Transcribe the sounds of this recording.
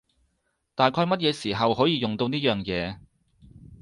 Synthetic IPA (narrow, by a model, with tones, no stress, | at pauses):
t̪aː˨jkʰɔː˧jmɐ˥t̚jɛː˨˧siː˨˩ɦɐ˨whɔː˨˥jiː˨˧jʊ˨ŋt̪o˧wniː˥jœː˨ŋjɛː˨˧